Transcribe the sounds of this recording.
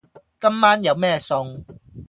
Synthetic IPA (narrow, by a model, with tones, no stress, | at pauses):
kɐ˥mmaː˥njɐ˨˧wmɛː˥sʊ˧ŋ